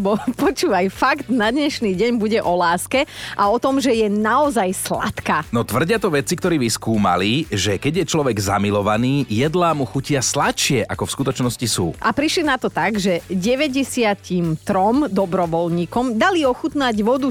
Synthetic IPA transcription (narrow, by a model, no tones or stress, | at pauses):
bɔpɔt͡ʃuːʋajfaɡd̪nad̪ɲɛʃniːɟɛɲbuɟɛʔɔlaːskɛʔaɔt̪ɔmʒɛjɛnaɔzajsla̰t̪kaːnɔt̪ʋr̩ɟɪat̪ɔʋɛt͡sikt̪ɔɾiːʋiskuːma̰liʒɛkɛɟjɛt͡ʃlɔʋɛɡza̰milɔʋaniːjɛd̪laːmuxucɪaslatʃɪɛʔakɔfskut̪ɔt͡ʃnɔscisṵːʔapɾiʃlinat̪ɔt̪aɡʒɛɟɛʋɛɟɛsɪatimt̪ɾɔmd̪ɔbɾɔʋɔlɲiːkɔmd̪aliɔxut̪naɟʋɔd̪u